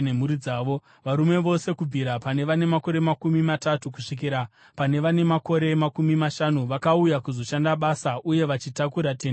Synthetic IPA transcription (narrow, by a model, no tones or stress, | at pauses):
nem̤uɾid͡zaːʋo̞ | ʋaɾume̞ʋo̞se̞kub͡vʱiɾapane̞ʋane̞mako̞ɾe̞makumimatatukuʂik̬iɾa | pane̞ʋane̞mako̞ɾe̞makumimaʃanuʋakaujakuzo̞ʃandaɓasaʔuje̞ʋat͡ʃitakuɾaten